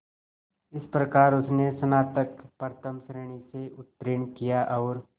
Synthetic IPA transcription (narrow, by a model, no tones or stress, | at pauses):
ɪspɾɐkaːɾʊsnesɐnaːt̪əkpəɾt̪ʰəmsɾeːɽ̃iseʔʊt̪ːɾɪɳkijaʔɐːɾ